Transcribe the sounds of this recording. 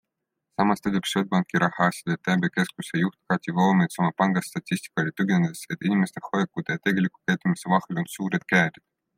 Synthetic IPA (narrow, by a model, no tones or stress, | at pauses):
sɑmɑst̪ed̪ʲipʃod̪̚bɑŋkːˑiɾɑhɑɑsʲi̥d̪̥et̪ːæbeke̞skusejuht̪kɑt̪ʲivoːmet̪sɑmɑpɑŋɡ̥ɑst̪ɑt̪ʲːisʲt̪i̥kˑɑlʲit̪yɡened̪ese̞t̪ːˑinimest̪e̞hojekːˑud̪̥ejɑt̪e̞ɡe̞likːˑu̥kæjt̪ːˑumisevɑhelo̞nsuːɾed̪̥̚kæːɾʲid̪̥